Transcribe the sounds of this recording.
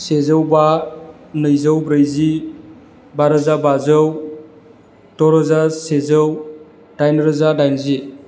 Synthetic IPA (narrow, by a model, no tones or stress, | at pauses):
sezəwba | nɯjzəwbɾəjzi | baɾɯzabazəw | tɔɾəzasezəw | d̥ajnɾəzadajnzi